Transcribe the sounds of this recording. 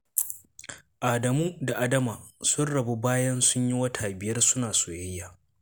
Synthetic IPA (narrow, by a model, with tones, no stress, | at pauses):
ʔaː˨dɐ˨muː˦da˨ʔa˦dɐ˦maː˨sʊ˦nɽɐ˨bu˦baː˦jɐ˦nsʊ˦ɲji˦wɐ˦tʰaː˨bɪ˨jɐ˦rsʊ˦naː˨soː˨jɐ˦jːaː˨